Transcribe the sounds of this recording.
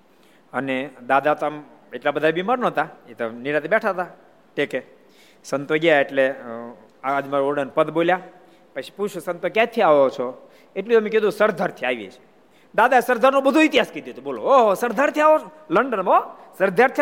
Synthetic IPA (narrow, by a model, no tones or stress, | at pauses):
əned̪ad̪at̪əm | eʈlabəd̪ʱabimaɾnot̪aet̪o̰niɾat̪ibɛʈʰat̪a | ʈeke | sənt̪oɡjaeʈle | aːd͡ʒmaɾoɖənpəd̪bolja | pət͡ʃʰi̥put͡ʃʰusənt̪okjat̪ʰiaʋot͡ʃʰo | eʈliəmeked̪ũsəɾd̪ʱaɾt̪ʰiaʋjḛt͡ʃʰe̥ | d̪ad̪aesəɾd̪ʱaɾnobəd̪ʱuit̪iɦaskəɾd̪jot̪ʰuboloosəɾd̪ʱaɾt̪ʰiaʋo | ləɳɖənosəɾd̪ʱaɾt̪ʰ